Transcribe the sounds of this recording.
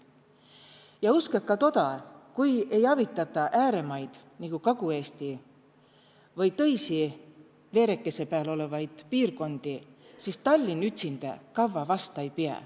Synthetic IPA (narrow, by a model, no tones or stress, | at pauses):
jɑuskɑkːɑt̪o̞d̪ɑkuje̞jɑvit̪ːˑɑt̪ːˑɑʔæːɾe̞mɑjd̪̥ | niɡ̥ukɑɡ̥ue̞ːst̪i | vɤjt̪ɤ̞jsi | ve̞ːɾe̞kːˑe̞se̞peɑlo̞le̞vɑjd̪̥piːrko̞nd̪̥isist̪ɑlʲːinyt̪ʲsind̪̥ḛkɑvːɑvɑst̪ɑjpiɑ̰